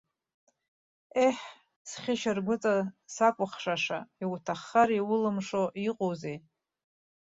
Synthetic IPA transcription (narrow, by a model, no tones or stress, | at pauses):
eħ | sχʲɪʃɪrɡʷʊt͡sʼasakʷʼʊχʂaʂaiwtʰaχːaɾiwʊlɨmʂoiqʼowzej